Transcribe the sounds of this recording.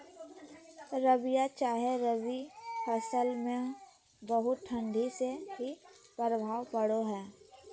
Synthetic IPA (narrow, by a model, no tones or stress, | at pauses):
ɾəbijat͡ʃaːɦeɾəʋipʰɐsəlmẽ | bəɦʊt̪̚ʈʰə̃ɳɖʱiseɦipɾəbʱaːʋpɐɽoɦɛː